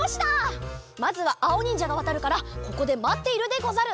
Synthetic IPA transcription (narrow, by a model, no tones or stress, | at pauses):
oɕi̥t̪amazɨβaʔao̞ɲ̟ĩɲ̟d͡ʑaɡaβ̞at̪aɾɯ̟kaɾako̞ko̞d̪e̞mat̪ːe̞iɾɯ̟d̪e̞ɡo̞zaɾɯ̟